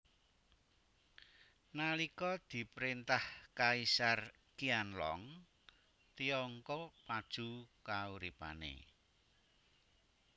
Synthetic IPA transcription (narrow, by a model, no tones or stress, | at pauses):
nalikɔd̪̥i̤pɾint̪ahkaisar | kianlɔ̰ŋ | t̪iɔŋkɔpad̥ʒ̥ṳkauɾipa̰nḛ